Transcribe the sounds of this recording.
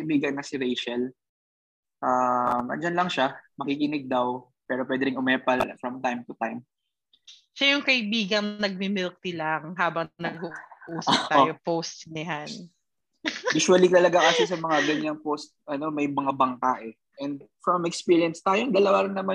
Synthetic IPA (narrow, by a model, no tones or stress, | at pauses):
ɐʔɪbiːɡɐnkɐsɪɾejʃɐl | ʔamʔɐ̰nd͡ʒɐnlɐŋʃamɐkikɪnɪɡ̚d̪ɐw | pɛːɾopwɛːd̪ɛɾɪŋʊmɛːpɐlfɹɐmt̪ajmt̪ʊt̪ajm | ʃajʊŋkɐʔɪbiːɡɐŋnɐɡ̚mɪmɪlk̚t̪ilɐŋɦaːbɐŋnɐɡ̚uʔuːsɐt̪aojopowst̪nɪɦan | juːʃwɐlit̪ɐlɐɡaŋɐsɪsɐmɐŋaɡɐɲaŋpost̪̚ʔɐno̞mɐjmɐŋabɐŋkaʔɛ | ʔɛnd̪̚fɹɐmɛkspiːɹjɐnst̪aːjond̪ɐlɐwaɾɪŋnɐma